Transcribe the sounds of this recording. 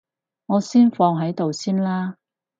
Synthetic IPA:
ŋɔː˨˧siː˥nfɔː˧ŋɦɐ˨˥jt̪o˨wsiː˥nlaː˥

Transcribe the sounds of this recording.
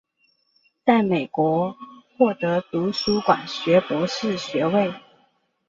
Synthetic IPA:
t͡sa˥˩ɪme˨˩ɪkwɔ˧˥xwɔ˥˩t̪ɤ˧˥t̪u˧˥ʂu˥kwa̰˨˩nɕɥɛ˨˧˥pwɔ˧˥ʂɻ̩˥˩ɕɥɛ˧˥we˥˨ɪ

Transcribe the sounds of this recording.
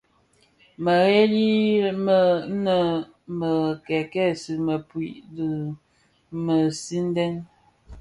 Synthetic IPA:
mə˨ɣe˦li˦mə˨˦nə˨ | mə˨kɛ˨kɛ˦˨si˨mə˨pwi˨ʔdə˨ | mə˨si˦n˦dɛ˦n

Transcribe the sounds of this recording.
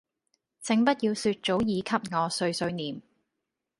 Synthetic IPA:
t͡sɪ˨˧ŋpɐ˥t̚jiː˧wsyː˧t̚t͡ʃo˨˥wjiː˨˧kʰɐ˧p̚ŋɔː˨˧sɵ˧ɥsɵ˧ɥniː˨m

